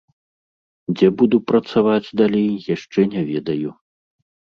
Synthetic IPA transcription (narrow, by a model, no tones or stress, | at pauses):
d͡zʲɛbud̪upɾɐt̪savad͡zʲd̪alʲejjaʂt͡ʂɛnʲavʲɛd̪ɐju